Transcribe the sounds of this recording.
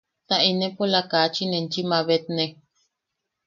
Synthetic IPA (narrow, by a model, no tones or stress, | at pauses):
t̪aʔinẽpolakaːt͡ʃinẽnt͡ʃimãβet̪̚nẽ